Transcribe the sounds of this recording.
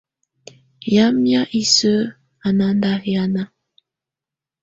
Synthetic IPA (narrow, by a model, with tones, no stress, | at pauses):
ja˦mja˦ʔi˨sə˦ | a˨na˦nda˦ja˦na˦